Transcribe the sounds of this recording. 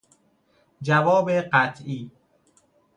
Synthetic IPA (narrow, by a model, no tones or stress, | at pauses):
d͡ʒævɒːbeɢæt̪ʰʔiː